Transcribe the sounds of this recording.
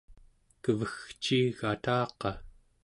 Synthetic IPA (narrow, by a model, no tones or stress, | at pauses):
kəvəxt͡ʃiɣat̪ɑːqɑ